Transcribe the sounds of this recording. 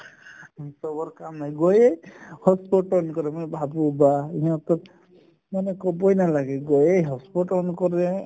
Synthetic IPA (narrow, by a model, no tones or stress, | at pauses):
isɔbɔɾkamnajɡɔjejhɔspɔʈɔnkɔɾɛmanɛbʱabubaiɔt̪ɔt̪ | manɛkɔbɔjnalaɡɛɡɔjejɦɔspɔʈɔnkɔɾɛ